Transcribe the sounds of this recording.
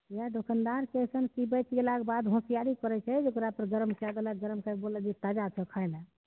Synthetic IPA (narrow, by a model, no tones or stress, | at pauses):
iad̪okʰənd̪aɾkɛjsənkibət͡ʃɡelakebad̪ɦũsijaɾikəɾɛt͡ʃʰɛd͡ʒokɾapəɾɡəɾmkad̪əlaɡəɾmkabolɛd͡ʒet̪ad͡ʒat͡ʃʰəkʰajlɛ